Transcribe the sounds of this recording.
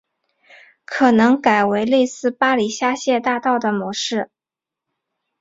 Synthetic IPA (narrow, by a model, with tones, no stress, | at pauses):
kʰɤ˨˩nɤ˧˥ŋka˨˩ɪwe˧˥ɪle˥˧ɪsɹ̩˥˩pa˥li˨˩ɕja˥ɕjɛ˥˧t̪a˥˧t̪ɑ˥˩ʊd̪ə˩mwɔ˧˥ʂɻ̩˥˩